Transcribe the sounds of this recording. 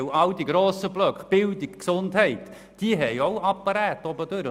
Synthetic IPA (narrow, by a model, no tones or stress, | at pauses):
awdiɡɾoːsəblœkχb̥ɪldikksʊndhɛɪt | d̥iəɦɛjoʊapːaɾɛːtɔbəd̥øɾə